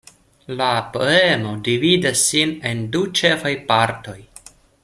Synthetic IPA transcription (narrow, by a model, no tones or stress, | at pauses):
lapo̞̰e̞mo̞dividasːine̞ndut͡ʃe̞fajpaɾto̞j